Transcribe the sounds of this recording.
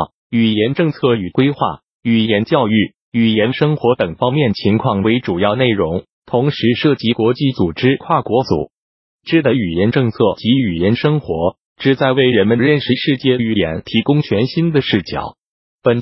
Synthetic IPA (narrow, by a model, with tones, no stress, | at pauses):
y˨˩jɛ˧˥nʈ͡ʂɤ˥˧ŋt͡sʰɤ˥˩y˨˩kwe˥ɪxwa̰˥˩ | y˨˩jɛ˧˥nt͡ɕjɑ˥˧ʊy˥˩ | y˨˩jɛ˧˥nʂɤ˥ŋxwɔ˧˥t̪ɤ˨˩ŋfɑ˥ŋmjɛ˥˩nt͡ɕʰi˧˥ŋkʰwɑ˥˩ŋwe˧˥ɪʈ͡ʂu˨˩jɑ˥˧ʊne˥˩ɪɻʊ˧˥ŋ | t̪ʰʊ˧˥ŋʂɻ̩˧˥ʂɤ˥˩t͡ɕi˧˥kwɔ˧˥t͡ɕi˥˩t͡su˨˩ʈ͡ʂɻ̩˥kʰwa˥˩kwɔ˧˥t͡sṵ˨˩˦ | ʈ͡ʂɻ̩˥d̪ə˨˧y˨˩jɛ˧˥nʈ͡ʂɤ˥˧ŋt͡sʰɤ˥˩t͡ɕi˧˥y˨˩jɛ˧˥nʂɤ˥ŋxwɔ˧˥ | ʈ͡ʂɻ̩˨˩t͡sa˥˧ɪwe˥˩ɪɻə˧˥nmə˧nɻə˥˧nʂɻ̩˧ʂɻ̩˥˧t͡ɕjɛ˥˩y˧˥˩jɛ̰˧˥nt̪ʰi˧˥kʊ˥ŋt͡ɕʰɥɛ˧˥nɕi˥nd̪ə˨ʂɻ̩˥˩t͡ɕjɑ̰˨˩˦ʊ | pə˨˩n